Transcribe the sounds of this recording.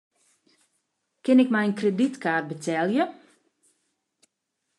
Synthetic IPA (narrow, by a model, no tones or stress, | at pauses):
kɪnɪkmɛjənkreditkaːrt̚bətʰɛlˠjə